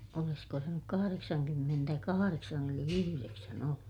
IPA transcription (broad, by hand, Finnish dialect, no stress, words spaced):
olisko se nyk kɑhɑreksɑŋkymːentækɑhɑreksɑn eli yhyreksæn olːu